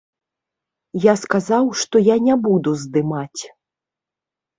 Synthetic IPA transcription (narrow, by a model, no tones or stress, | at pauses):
jaskazawʂt̪ɔjanʲabud̪uzd̪ɨmat͡sʲ